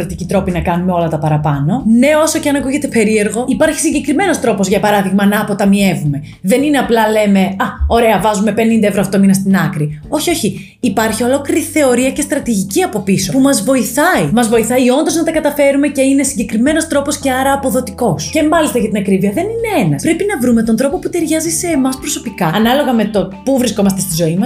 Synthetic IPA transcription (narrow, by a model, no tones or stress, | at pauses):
ɾot̪icit̪ɾo̞pinɐkɐnumeo̞lɐt̪ɐpɐɾɐpɐno̞ne̞o̞so̞ceɐnɐkuʝe̞t̪e̞pe̞ɾie̞ɾɣo̞ipɐɾçi̥siɲɟe̞kɾime̞no̞st̪ɾo̞pozʝɐpɐɾɐðiɣmɐnɐːpo̞t̪ɐmie̞vume̞ | ðe̞nineɐplɐle̞me̞ɐo̞ɾe̞ɐvɐzume̞pe̞nind̪ɐe̞vɾoxt̪o̞minɐst̪inɐkɾio̞çio̞çiː | pɐɾçio̞lo̞kliɾiθe̞o̞ɾiɐce̞st̪ɾɐt̪iʝiciɐpo̞piso̞pumɐzvo̞iθɐimɐzvo̞iθɐio̞nd̪oznɐt̪ɐkɐt̪ɐfe̞ɾume̞ce̞ine̞siɲɟe̞kɾime̞no̞st̪ɾo̞posce̞ɐɾɐːpo̞ðo̞t̪iko̞sce̞mɐlist̪ɐʝɐt̪inɐkɾiviɐðe̞nine̞e̞nɐspɾe̞pinɐvɾume̞t̪ond̪ɾo̞po̞put̪eɾʝɐzise̞ːmɐspɾo̞so̞pikɐɐnɐlo̞ɣɐme̞t̪o̞puvɾisko̞mɐst̪est̪izo̞imɐs